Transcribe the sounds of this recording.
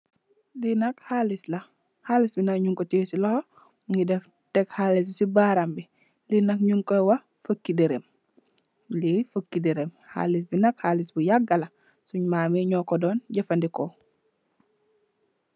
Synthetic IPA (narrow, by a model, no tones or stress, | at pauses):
dinɐkhalislɐ | haːlisbinakɲuŋkɔteːsilɔho | ŋɡidɛf | tɛkhalis̬sibaɾambi | linɐkɲuŋkɔjwɐ | fəkːideɾem | lifəkːideɾemha̰lis̬binɐkhaːlisbujaɡːɐlɐ | suɲmaːmɛɲɔkɔdɔːnɟɛfɐndikɔ